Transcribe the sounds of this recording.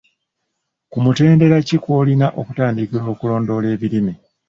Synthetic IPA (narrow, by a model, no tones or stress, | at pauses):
kumute̞ːnde̞ɾacikwoːlinaʔo̞kutaːndikilo̞ːkulo̞ːndo̞le̞ːβilimi